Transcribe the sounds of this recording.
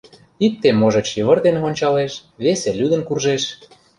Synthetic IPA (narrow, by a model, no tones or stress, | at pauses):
ik̚t̪ːemoʒɤ̆t͡ɕiβə̆rd̪enonʲt͡ɕɑleʃβeselʲyd̪ə̆nkurʒeʃ